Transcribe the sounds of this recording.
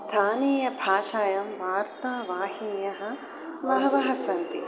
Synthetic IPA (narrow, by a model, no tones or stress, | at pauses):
t̪ʰaːneːjɐbʱaːʃaːjɐmʋaːɾt̪aːʋaːhinjɐɦɐ̆ | ʋɐɦɐʋɐɦɐsɐnt̪i